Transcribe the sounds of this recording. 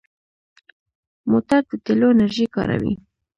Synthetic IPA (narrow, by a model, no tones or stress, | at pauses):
mot̪ad̪̚d̪ət̪eloenaɾʒijkɑ̰ɾa̰wḭ